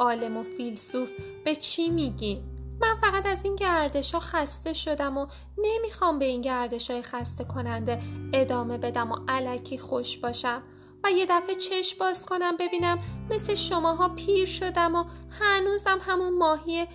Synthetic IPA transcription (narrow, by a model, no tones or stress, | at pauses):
ɒːle̞mo̞filsuf | b̥e̞t͡ʃʰimiɟinːænfæɣæt̪æzinɟæɾd̪e̞ʃhɒːxæst̪e̞ʃo̞d̪æmo | ne̞mixɒːmbe̞iːnɟæɾd̪e̞ʃɒːjexæst̪e̞kʰo̞nænd̪e̞e̞d̪ɒːme̞be̞d̪æmo̞ʔælæcʰiːxo̞ʃb̥ɒːʃæm | væje̞d̪æfe̞t͡ʃʰe̞ʃbɒːz̥kʰo̞næmbe̞biːnæmːe̞sle̞ʃo̞mɒːɦɒːpʰiːɾʃo̞d̪æmohænuzæmɦæmunmɒːɦije